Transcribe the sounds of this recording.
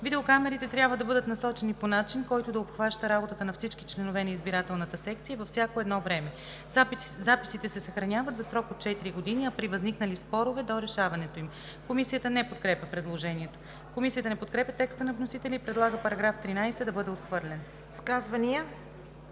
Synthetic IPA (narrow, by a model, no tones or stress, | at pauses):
vid̪ɛokamɛɾit̪ɛt̪ɾʲjabvəd̪ɐbɤd̪ət̪nɐsɔt͡ʃɛniponat͡ʃinkɔjt̪od̪ɐopxvaʃt̪əɾabot̪ət̪ənɐfsit͡ʃkit͡ʃlɛnovɛnɐizbiɾat̪ɛlˠnət̪əsɛkt̪sijəvɐfsʲjakoɛd̪nɔvɾɛmɛ | zapi̥sit̪ɛsɛsɐxɾɐnʲavət̪zɐsɾɔkot̪̚t͡ʃɛt̪iɾiɡod̪iniɐpɾivɐzniknɐlispɔɾovɛd̪oɾɛʃavɐnɛt̪oim | komisijət̪ənɛpot̪̚kɾɛpʲjəpɾɛd̪lˠoʒɛniɛt̪o̥ | komisijət̪ənɛpot̪kɾɛpʲjət̪ɛkst̪ənɐvnosit̪ɛlʲipɾɛd̪lˠaɡəpɐɾɐɡɾaft̪ɾinajsɛd̪ɐbɤd̪ɛot̪xvɤɾlʲɛn | skazvɐniə